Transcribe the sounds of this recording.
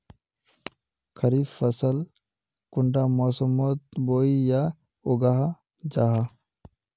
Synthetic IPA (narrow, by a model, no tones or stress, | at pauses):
kʰɐɾiːfəsəl | kʊɳɖamɔːsəmot̪̚boːija | oɡaɦa | d͡ʒaɦa